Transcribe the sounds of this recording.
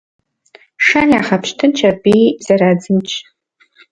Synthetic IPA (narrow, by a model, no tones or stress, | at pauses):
ʂanjaχapʃtʰɨnt͡ʃʰarbijz̥aɾad͡zɨmt͡ʃʼʰ